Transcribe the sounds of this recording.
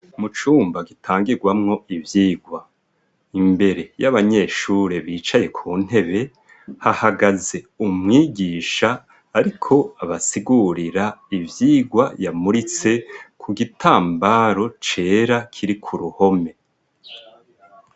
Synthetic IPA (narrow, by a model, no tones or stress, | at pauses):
mut͡ʃuːmbaɡitʰaːŋɡiɾɡwamŋo̞ivjiːɡwa | imbe̞ɾe̞jaβaɲe̞ʃuːɾeβiːt͡ʃaje̞kʰuːn̥he̞βe̞ | hahaɡaze̞ | umŋiːɡiːʃaː | ɾikʰo̞aβasiɡuɾiɾaivjiːɡwajamuɾit͡se̞kʰuɡitʰaːmbaɾo̞t͡ʃe̞ːɾakʰiɾikʰuɾuho̞me̞